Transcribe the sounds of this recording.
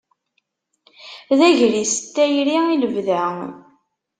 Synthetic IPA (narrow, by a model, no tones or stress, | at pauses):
ðæʝɾisə̥t̪ːæjɾiiləvðæ